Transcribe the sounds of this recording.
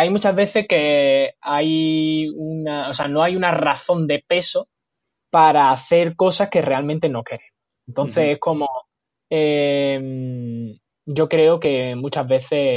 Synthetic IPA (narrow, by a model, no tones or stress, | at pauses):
ajmut͡ʃaɦβe̞θe̞hke̞aj | unaoseano̞ajunaraθo̞nd̪e̞pe̞so | paɾaːθe̞ɾko̞sahke̞re̞almẽnt̪e̞no̞ke̞ɾeŋ | ent̪o̞n̟θe̞se̞hko̞mo | em | d͡ʒo̞kɾe̞oke̞mut͡ʃaɦβe̞θe̞